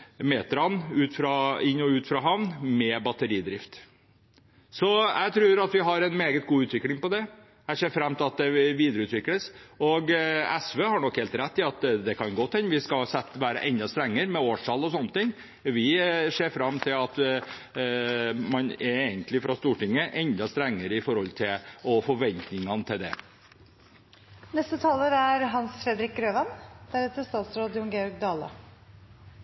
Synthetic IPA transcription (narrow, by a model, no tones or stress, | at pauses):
meːt̪ɾɑnʉːt̪fɾɑɪnːɔʉːt̪fɾɑɦɑʋnnmɛbɑt̪əɾiːd̪ɾɪft̪ | sɔæ̰ɪt̪ʰɾʉːɾɑt̪ʋɪɦɑɾɛnmeːɡət̪̚ɡuːʉːt̪ʰʋɪklɪŋpɔd̪ɛ | æseːɾfɾɑmːt̪ʰɪlɑt̪̚d̪ɛʋiːd̪əɾəʉːt̪ʋɪkləsɔɡɛ̰sʋeːhɑɳɔkheːlt̪ɾɛt̪ːɪɑt̪d̪ɛkʰɑnɡoːt̪ʰːɛnʋɪskɑsɛt̪ːʋæːɾə̰ʔɛnd̪ɑst̪ɾɛŋːəɾmɛoːʂɑlːɔsɔnːət̪ɪŋː | ʋɪseːɾfɾɑmːt̪ʰɪlɑt̪ | mɑnɛɾeːɡənt̪lɪfɾɑst̪uːʈɪŋːəʔɛnd̪ɑst̪ɾɛŋːəɾəɪfɔɾhɔlt̪ʰɪlɔfɔɾʋɛnt̪nɪŋɑnət̪ʰɪld̪ɛ̰ | nɛst̪ət̪ʰɑːləɾæɾɦɑnsfɾɛd̪ɾɪk̚ɡɾøːʋɑnd̪̥æɾet̪əst̪ɑːt̪sɾoːd̪jʊŋɡeːɔɾɡ̚d̪ɑːlə̰